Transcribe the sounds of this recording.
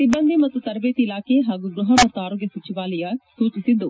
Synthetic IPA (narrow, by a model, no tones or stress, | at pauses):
sibənd̪ʱimɐt̪ːut̪ɐɾʋeːt̪ilaːkeɦaːɡuɡɾʊɦɐmɐt̪ːuaːɾoːɡjɐsut͡ʃiʋaːlɐjɐsuːt͡ʃisɪd̪ːu